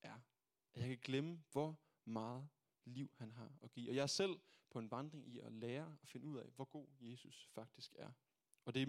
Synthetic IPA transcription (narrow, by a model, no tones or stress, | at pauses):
ʔæɐ | ʔæjɑ̈ɪkʰæɡ̥leməʋɒ | mɑ̈ːð̞̩ˠ | liʊ̰hænɦɑ̈ɒ̽ɡ̥ḭːɒ̽jɑ̈æɐsel̰pʰɒ̽e̝nʋɑ̈nd̥ʁeŋʔiɒ̽leːɐɒ̽fe̝nəuð̰ˠɛ̰ʋɒɡ̥o̝̰ːje̝ːsusfɑ̈ɡ̥̚d̥isɡ̥æɐ | ɒ̽d̥e̝